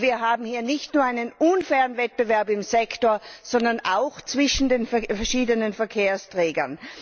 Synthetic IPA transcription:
viːɐɦaːbm̩hiːɐnɪçtnuːɐaɪnənʔʊnfɛːʁənvɛt̚b̥əvɛɐpɪmzɛktoːɐz̥ɔndɐnaʊxt͡sv̥ɪʃn̩deːnffɛɐʃiːdənənfɛɐkʰeːɐstʁ̥ɛːɡɐ̰n

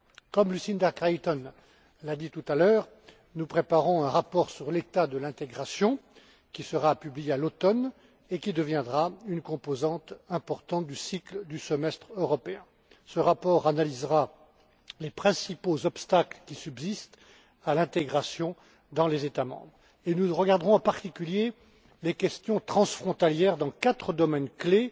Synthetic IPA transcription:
kɔmlysind̪aʁkajt̪ɔn | lad̪it̪ut̪alœːʁ | nupχepaʁɔ̃ɛ̃ʁapɔʁsyʁlet̪ad̪əlɛ̃t̪eɡʁasjɔ̃ | kʲisəʁapyblijealot̪ɔn | ekʲid̪əvjɛ̃d̪ʁaynkɔ̃pozɑ̃t̪ɛ̃pɔʁt̪ɑ̃t̪̚d̪ysikld̪ysəmɛst̪χøʁɔpeɛ̃ | səʁapɔʁanalizʁa | lepχɛ̃sipozɔpst̪aklkʲisybzist̪ | alɛ̃t̪eɡʁasjɔ̃ | d̪ɑ̃lezet̪amɑ̰̃bʁ | enuʁəɡaʁd̪ʁɔ̃ɑ̃paʁt̪ikʲylje | lekʲɛst̪jɔ̃t̪χɑ̃sfχɔ̃t̪aljɛʁd̪ɑ̃kat̪χəd̪ɔmɛnkle

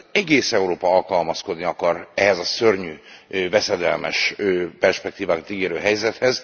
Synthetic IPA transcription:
ɛɡeːsɛuɾoːpɒɒlkɒlmɒsko̞d̪niɒkɒrɛɦɛzɒsørɲyːvɛsɛd̪ɛ̰lmɛʃøpɛrʃpɛk̚t̪iːvaːkɒt̪iɡeːɾøːɦɛjzɛt̪hɛz

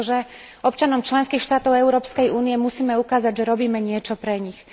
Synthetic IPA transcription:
ʒɛɔpt͡ʃanɔmt͡ʃlɛnskiːxʃt̪aːt̪ɔʊɛʊɾɔːpskɛjuːnijɛmusiːmɛukaːzaɟʒɛɾɔbiːmɛɲɪɛt͡ʃɔpɾɛɲix

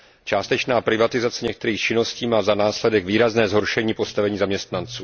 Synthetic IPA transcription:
t͡ʃaːst̪ɛt͡ʃnaːpɾɪvat̪ɪzat͡sɛɲɛk̚t̪ɛɾiːxt͡ʃɪno̞sciːmaːzanaːslɛdɛɡviːɾaznɛːzɦoɾʃɛɲiːpo̞st̪avɛɲiːzamɲɛst̪nant͡suː

